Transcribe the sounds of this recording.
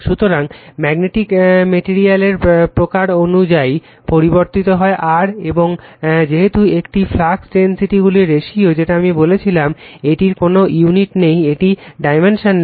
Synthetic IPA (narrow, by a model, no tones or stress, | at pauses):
ʃut̪oɾaŋmɛɡneʈikmeʈiɾialeɾpɾokaɾonud͡ʑai | poɾiboɾt̪it̪oɦɔeʔaɾeboŋd͡ʑeɦet̪uekʈiflaksɖensiʈiɡuliɾeʃiod͡ʑeʈaamibolet͡ɕʰilameʈiɾkonojuniʈnejeʈiɖajmenʃon